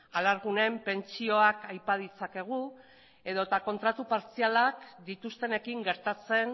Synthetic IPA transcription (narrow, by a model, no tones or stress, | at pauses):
alaɾɣune̞mpe̞nt͡sio̞akajpað̞it͡sake̞ɣ̞u | e̞ðo̞t̪ako̞nt̪ɾat̪upaɾt͡sialakd̪it̪ust̪e̞ne̞kiŋɡe̞ɾt̪at͡se̞n